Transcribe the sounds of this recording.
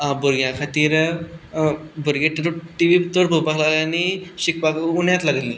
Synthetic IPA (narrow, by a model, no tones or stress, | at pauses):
abuɾɡjãkʰat̪iːɾ | buɾɡeʈɾʈiʋit̪oɽpupaklaɡlaniɕikpakunjat̪laɡəli